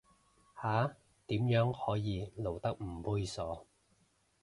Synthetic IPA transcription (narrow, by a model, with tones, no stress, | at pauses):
haː˨˥ | t̪iː˨˥mjœː˨˥ŋhɔː˨˥jiː˨˧lo˨˩wt̪ɐ˥k̚m̩˨˩puː˥jsɔː˨˥